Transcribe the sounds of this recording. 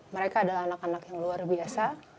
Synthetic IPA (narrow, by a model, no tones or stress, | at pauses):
məɾekaːdalahanakanakjaŋluarbiasa